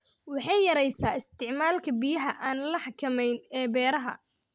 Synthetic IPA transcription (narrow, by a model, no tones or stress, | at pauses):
wɑħɑjjɐɾɛjsaːɪst̪ʰɪʕmaːlkʰɐbijɐɦɐʔaːnlɐħɑkʰɐmɛjnɛːbɛːɾɐɦɐ̰